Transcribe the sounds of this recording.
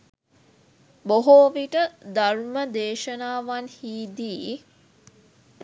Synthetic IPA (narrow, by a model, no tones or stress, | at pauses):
boɦoːʋiʈəd̪aɾuməd̪eːʃənaːʋanhiːd̪iː